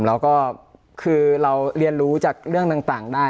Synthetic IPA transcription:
mlɛː˦˥wkɔː˥˩ | kʰɯː˧ɾa˧wɾi˧ənɾuː˦˥t͡ɕaː˨˩k̚ɾɯ˥˩əŋt̪aː˨˩ŋt̪aː˨˩ŋdaː˥˩

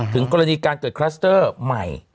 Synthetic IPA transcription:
t̪ʰɯ˩˦ŋkɔː˧ɾa˧niː˧kaː˧nkɤː˨˩t̪̚kʰɾa˦˥st̪ɤː˥˩ma̰˨˩j

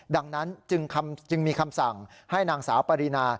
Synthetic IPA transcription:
da˧ŋna˦˥nt͡ɕɯ˧ŋkʰa˧mt͡ɕɯ˧ŋmiː˧kʰa˧msa˨˩ŋha˥˩jnaː˧ŋsaː˩˦wpa˧ɾi˧naː˧

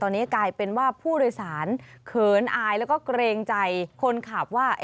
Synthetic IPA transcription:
t̪ɔː˧nːiː˦˥˩klaː˧jpe˧nwaː˥˩pʰuː˥˩ɾoː˧jsaː˩˦nkʰɤː˨˩˦nʔaː˧jlɛː˦˥wkɔː˥˩kɾeː˧ŋt͡ɕa˧jkʰo˧nkʰaː˨˩p̚waː˥˩

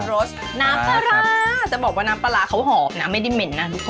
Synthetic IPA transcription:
ɾoː˦˥s | naː˦˥mpa˧ɾaː˧t͡ɕa˨˩bɔː˨˩k̚waː˥˩naː˨˦˥mpa˧la˧˦˥kʰa˦˥wɦɔː˨˩p̚na˧˥ma˥˩jda˥˩jme˨˦nːa˦˥t̪ʰu˦˥k̚ʰ

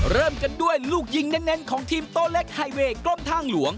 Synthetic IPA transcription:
ɾɤː˥˩mka˧ndu˥˩əjluː˥˩k̚ji˧ŋnɛ˦˥nːe˦˥nkʰɔː˩˦ŋt̪ʰiː˧mt̪oː˥˩le˦˥˩k̚ha˧jweː˧klo˥˩mt̪ʰaː˥˩ŋlu˩˦əŋ

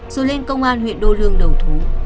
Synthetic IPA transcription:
z̥o˨˦le˧nkə˧wŋ͡mʔaː˧nɦwḭ˧˨ənɗo˧lɨ˧əŋɗə˨˩wt̪ʰu˨˦

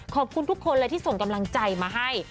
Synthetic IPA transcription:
kʰɔː˨˩p̚kʰu˧nt̪u˦˥kʰːo˧nlɛ˦˥t̪ʰiː˥˩so˨˩ŋka˧mla˧ŋt͡ɕa˧jmaː˧ɦa˥˩j

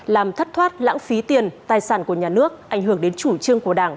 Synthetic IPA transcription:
laː˨˩mt̪ʰə˦˥t̚t̪ʰwaː˦˥t̚la̰ː˧˥ŋfi˨˦t̪i˨˩ənt̪aː˨˩jsaː˧˩nku˧˩əɲaː˨˩nɨ˦˥ək̚ʔa˧˩jŋ̟ɦɨ˧˩əŋɗe˨˦nt͡ɕu˧˩t͡ɕɨ˧əŋku˧˩əɗaː˧˩ŋ

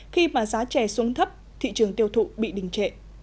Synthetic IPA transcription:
xi˧maː˨˩zaː˨˦t͡ɕɛ˨˩su˨˦əŋt̪ʰə˦˥p̚ | t̪ʰḭ˧˨t͡ɕɨ˨˩əŋt̪i˧əwt̪ʰṵ˧˨ɓḭ˧˨ɗï˨˩ŋ̟t͡ɕḛ˧˨ʔ

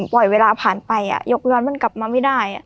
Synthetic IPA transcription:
pɔ˨˩jweː˧laː˧pʰaː˨˩npa˧jʔa̰˨˩jo˦˥k̚lɯ˥˩ənma˧˥˨nka˨˩p̚maː˧ma˥˩jdaː˥˩jʔa˨˩ʔ

